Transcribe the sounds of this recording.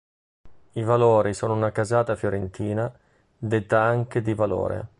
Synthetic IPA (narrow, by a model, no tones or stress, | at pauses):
ivaloːɾisoːnounakazaːt̪afjoɾent̪iːna | d̪et̪ːaaŋk̟ed̪ivalo̰ːɾḛ